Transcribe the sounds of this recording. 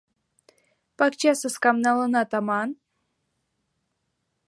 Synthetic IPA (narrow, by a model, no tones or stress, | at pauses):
pakt͡ʃasəskamnalˠɤnat̪amɑn